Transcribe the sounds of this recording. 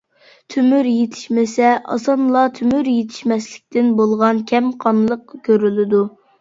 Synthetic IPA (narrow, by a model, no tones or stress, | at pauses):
t̪ʰymyɾjet̪ʰɪ̥ʃmɪsɛʔɑ̰sɑnlˠɑt̪ʰymyɾjet̪ʰɪ̥ʃmɛslɪk̚ʲt̪ʰɪnbolˠʁɑnkʲʰɛmqʰɑnlˠəq̚kʲʰøɾylɪd̪u